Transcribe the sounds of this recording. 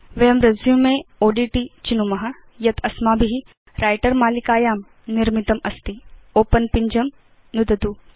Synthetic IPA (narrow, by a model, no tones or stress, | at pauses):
ʋejɐmɾɐzjũmẽoːɖiːʈit͡ʃinumɐɦɐ | jɐt̪ʰɐsmaːbiɦi | ɾʔaːjʈəɾmaːlikaːjaːm | niɾmit̪ɐmɐst̪ioːpənpiɲd͡ʒɐm | nud̪ɐt̪u